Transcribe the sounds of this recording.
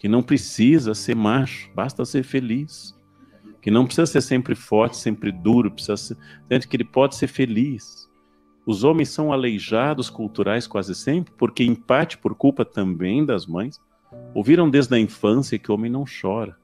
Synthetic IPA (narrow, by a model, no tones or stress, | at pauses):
kɪnɐ̃w̃pɾesizɐseɾmaʃʊ̥bast̪ɐseɾfelis | kɪnɐ̃w̃pɾɪ̥sizɐseɾsẽmpɾɪfɔɾt͡ʃɪ̥sẽmpɾɪd̪uɾʊpɾɪ̥sizɐsesẽnt̪ʊkɪelɪpɔd͡ʒɪseɾfelis | ʊzõmẽj̃sɐ̃w̃alejʒad̪ʊskuwt̪uɾʔajskwazɪsẽmpɾɪpoɾkeĩpat͡ʃɪ̥poɾkuwpɐt̪ɐ̃mbẽj̃d̪ɐzmɐ̃j̃s | owviɾɐ̃w̃d̪ezd̪ɐĩfɐ̃sjɐkɪʊõmẽj̃nɐ̃w̃ʃɔɾɐ